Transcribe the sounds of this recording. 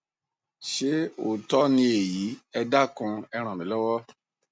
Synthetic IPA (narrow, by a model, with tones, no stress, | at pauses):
ʃe˦o˨tɔ˦nĩ˧e˨ji˨˦ɛ˧da˦kũ˧ɛ˧ɾ̃ã˨mĩ˨˦lɔ˦wɔ˦